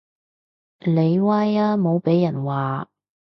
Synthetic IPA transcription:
le˨˧jwaː˥jaː˥mo˨˧wpe˨˥jːɐ˨˩nwaː˨

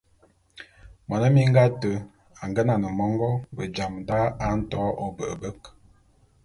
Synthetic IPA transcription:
mwa˨nə˦mi˦ŋ˦ɡa˦tə˨ | a˨ŋ˨ɡə˦na˨nə˨mɔ˦ŋɡɔ˦bə˨d͡ʒa˨mda˦a˨˦n̩˦tɔ˦ʔo˨bə̰˨ʔə˨bə˦k

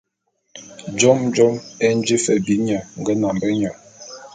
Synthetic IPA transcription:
d͡ʒɔ˦md͡ʒɔ˦me˦n̩˦d͡ʒi˦fɛ˨bi˨˦ɲə˨ŋ̩˨ɡə˦na˨m˨bə˦ɲɔ˨

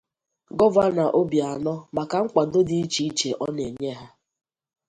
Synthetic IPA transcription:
ɡɔ˦va˦na˨ʔo˦bja˨nɔ˦ma˨ka˨ŋ͡m̩˦k͡pa˨do˦di˦i˦t͡ʃi˨i˦t͡ʃe˨ʔɔ˦ne˨ɲe˦ɦa˦

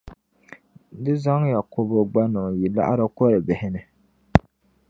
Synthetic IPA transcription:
dɨ˦za˦ŋja˨kʊ˦bo˦ɡ͡ba˦nʊ˨ŋ˨ji˨la̰˦ʔa˦ɾa˦kɔ˦ɾɨ˨bɪ˨hɪ˦nɨ˨

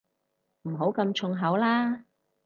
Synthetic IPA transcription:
m̩˨˩ɦo˨˥wkɐ˧mt͡ʃʰʊ˧ŋɦɐ˨˥wlaː˥

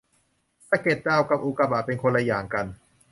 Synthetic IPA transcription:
sa˧˩ke˨˩t̪̚t͡ɕaː˧˩wka˨˩p̚ʔu˨˩ka˧˩p̚aː˨˩t̪̚pe˧nkʰo˧nla˧jaː˨˩ŋka˧n

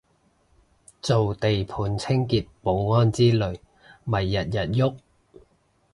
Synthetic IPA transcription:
t͡so˨wt̪e˨jpʰuː˨˧nt͡sʰɪ˥ŋkiː˨t̚po˨˧wŋɔː˥nt͡siː˥lɵ˨˩ɥ | mɐ˨˩jːɐ˨t̚jɐ˨˩t̚jʊ˥k̚

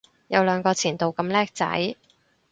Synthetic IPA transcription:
jɐ˨˧wlœː˨˧ŋkɔː˧t͡sʰiː˨˩nt̪o˨˧wkɐ˧mlɛː˥k̚t͡sɐ̰˨˥j

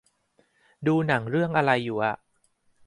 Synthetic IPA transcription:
duː˧na˩˦ŋɾɯ˥˩əŋʔa˧ɾa˧jːuː˨˩ʔa˨˩ʔ

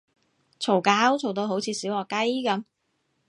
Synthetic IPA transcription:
t͡sʰo˨˩wkaː˨˥wt͡sʰo˨wt̪̬o˧wɦo˨˥wt͡sʰiː˨˧siː˨˥wɔː˨˩kɐ˥jkɐ˨˧˥m

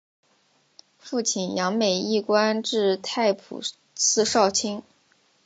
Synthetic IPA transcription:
fu˥˩t͡ɕʰi˨˩njɑ˧˥ŋme˨˩ɪi˥˩kwa˥nʈ͡ʂɻ̩˥˧t̪ʰa˥˩ɪpʰṵ˨˩ | t͡sʰɹ̩˥˧ʂɑ˥˩ʊt͡ɕʰi˥ŋ

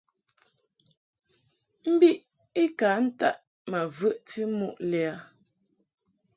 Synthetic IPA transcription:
m̩˦bi˦ʔ | i˦kaː˨˦n̩˦ta˦˨ʔ | ma˨və˦ʔti˦mu˦˨ʔlɛ˨a˨˦

